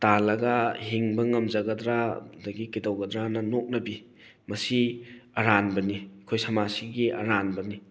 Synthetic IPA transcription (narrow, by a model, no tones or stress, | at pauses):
talɐɡɐhiŋbɐŋɐmzɐɡɐdɾadɐɡikidɐwɡɐd̪ɾanɐnok̚nɐbi | mɐsiɐɾanbɐnikʰojsɐmasiɡiʔɐ̰ɾanbɐni